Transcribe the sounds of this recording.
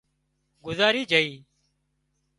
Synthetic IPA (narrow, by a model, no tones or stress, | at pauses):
ɡʊzaːɾiːd͡ʒəiː